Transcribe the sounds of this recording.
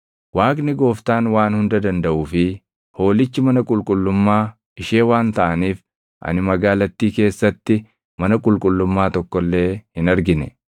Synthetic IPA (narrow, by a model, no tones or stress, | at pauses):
waːknɪɡo̞ːft̪aːnwaːnhʊnd̪ɐd̪ɐnd̪ɐʔuːfɪ | ho̞ːlɪt͡ʃːɪmɐnɐkʼʊlkʼʊlːʊmːaː | ɪʃe̞ːwaːnt̪ɐʔɐniːf | ʔɐ̰nɪmɐɡaːlɐt̪ːiːke̞ːsːɐt̪ːɪ | mɐnɐkʼʊlkʼʊlːʊmːaːt̪ɔkːɔlːe̞ːhɪnɐɾɡɪnɛ̰